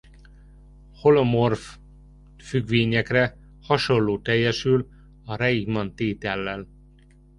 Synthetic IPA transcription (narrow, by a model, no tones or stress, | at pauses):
ho̞lomorf | fyɡʋeːɲɛkrɛ | hɒʃo̞lːoːt̪ɛjːɛʃyl | ɒɾɛiɡmɒnt̪eːt̪ɛlːɛl